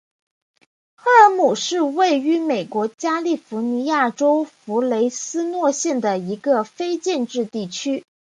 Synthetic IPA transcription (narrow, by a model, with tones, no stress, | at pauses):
xɤ˥˩ə˧˥mu˨˩ʂɻ̩˥˧we˥˩ɪy˧˥me˨˩ɪkwɔ˧˥t͡ɕja˥li˥˩fu˧˥ni˧˥ja˥˩ʈ͡ʂo˥ʊfu˧˥le˧˥ɪsɹ̩˥nwɔ˥˧ɕjɛ˥˩nd̪ə˩i˧˥ɡə˧fe˥ɪt͡ɕjɛ˥˧nʈ͡ʂɻ̩˥˧t̪i˥˩t͡ɕʰy˥